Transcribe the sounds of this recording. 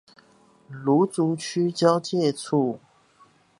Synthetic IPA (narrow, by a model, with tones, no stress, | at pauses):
lu˨˥˦t͡su˨˥˦t͡ɕʰy˥t͡ɕjɑ˦˥ʊt͡ɕjɛ˥˨t͡sʰu˥˩